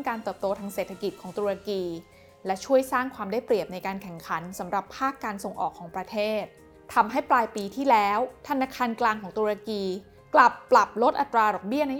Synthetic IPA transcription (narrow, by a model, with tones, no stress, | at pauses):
kaː˧nt̪ɤː˨˩p̚t̪oː˧t̪ʰaː˧ŋseː˨˩t̪ʰːa˧ki˨˩t̪̚kʰɔː˩˦ŋt̪uː˧ɾa˧kiː˧ | lɛ˦˥t͡ɕʰu˥˩əjsaː˥˩ŋkʰwaː˧mdaː˥˩jpɾi˨˩əp̚na˧jkaː˧nkʰɛ˨˩ŋkʰa˩˦nsa˩˦mɾa˨˩pʰːaː˥˩kːaː˧nso˨˧ŋʔɔ̰ː˨˩kʰːɔː˩˦ŋpɾa˧t̪ʰeː˥˩t̪̚ʰː | a˧mɦa˥˩jplaː˧jpiː˧t̪ʰiː˥˩lɛː˦˥wt̪ʰa˧naː˧kʰaː˧nklaː˧ŋkʰɔː˩˦ŋt̪uː˧ɾa˧kiː˧ | kla˨˩pːla˨˩p̚lo˦˥t̪̚ʔa˨˩t̪ɾaː˧dɔː˨˩k̚bi˥˩ɐna˦˥